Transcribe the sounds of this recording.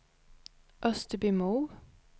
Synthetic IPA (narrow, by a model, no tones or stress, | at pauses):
ʔœst̪əbyːmuː